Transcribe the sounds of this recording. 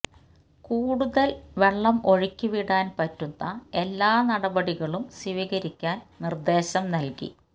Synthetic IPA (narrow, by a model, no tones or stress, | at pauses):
kuːɽuðɐlʋe̞ɭːɐmo̞ɻikʲːuʋiɽaːnpɐtːunːɐe̞lːaːnɐɽɐbɐɽiɣɐɭumsiʋiɣɐɾikʲːaːnnird̪e̞ːɕɐmnɐlkḭ